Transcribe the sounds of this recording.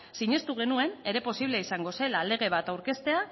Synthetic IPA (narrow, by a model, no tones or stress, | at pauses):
siɲe̞st̪uɣ̞e̞nue̞ne̞ɾe̞po̞siβ̞leisaŋɡo̞se̞lale̞ɣ̞e̞β̞at̪awɾke̞st̪e̞a